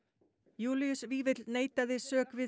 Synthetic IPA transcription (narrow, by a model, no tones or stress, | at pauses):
juːliʏsviːvɪt̪lneːjt̪aðɪsœːkvɪ